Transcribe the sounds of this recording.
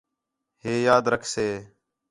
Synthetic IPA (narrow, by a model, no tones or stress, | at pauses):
ɦeːjaːd̪ɾəkʰseː